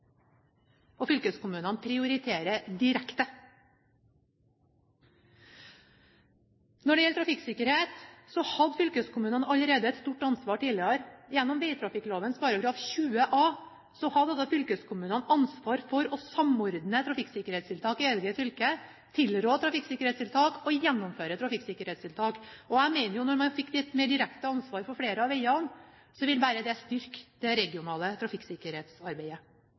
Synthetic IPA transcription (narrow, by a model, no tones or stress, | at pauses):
ɔfʏlkəskʊmʉːnənpʰɾɪʊɾɪt̪ʰeːɾəd̪ɪɾɛkt̪ə | nɔɖɛjɛlət̪ʰɾɑfɪksɪkəɾheːt̪sɔhɑd̪fʏlkəskʰʊmʉːnənɑləɾeːd̪əɛt̪st̪uːʈɑnsʋɑːʈiːlɪoɾjɛnːɔmʋɛɪt̪ʰɾɑfɪkloːʋənspʰɑːɾɑɡɾɑːfçʉːəʔɑː | sɔhɑd̪ɛt̪ːɑfʏlkəskʰʊmʉːnənɑnsʋɑːɾfɔɾɔsɑmɔɾd̪nət̪ʰɾɑfɪkːsɪkːəɾhɛːt̪st̪ʰɪlt̪ʰɑːkɪɛlɡəfʏlkə | t̪ʰɪlɾoːt̪ʰɾɑfɪkːsɪkːəɾhɛːt̪st̪ɪlt̪ʰɑːkɔjɛnːɔmføːɾət̪ʰɾɑfɪksɪkːəɾhɛːt̪st̪ʰɪlt̪ʰɑːkɔæmɛɪnəɾjʊnɔɾmɑnfɪkːd̪ɛt̪meːɖɪɾɛkt̪əɑnsʋɑːɾfɔɾfɽeːɾəɑʋɛɪɑn | sɔʋɪlbæːɾəd̪ɛst̪ʏɾkd̪ɛɾɛɡɪʊnɑːlət̪ʰɾɑfɪkːsɪkəɾheːt̪sɑɾbeɪə